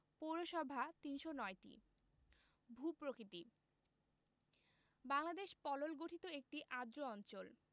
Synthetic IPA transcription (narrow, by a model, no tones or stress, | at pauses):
poɾoʃɔbʱat̪inʃonɔeʈḭ | bʱupɾokɾit̪i | baŋlad̪eʃpɔlolɡoʈʰit̪oek̚ʈiʔad̪ɾoɔnt͡ɕol